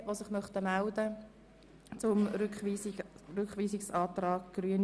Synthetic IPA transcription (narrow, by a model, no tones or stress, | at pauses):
ʋosɪχmœχt̪əmældə | t͡sʊmɾkχiːɾʏkχʋiːsɪksɑːt̪rɑːɡɡ̥ryən